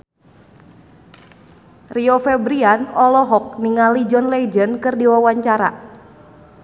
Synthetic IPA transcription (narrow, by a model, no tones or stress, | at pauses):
riɔfɛbɾianɔlɔɦɔk̚niŋalid͡ʒɔnlɛd͡ʒənkɨrdiwawaɲt͡ʃaɾa̰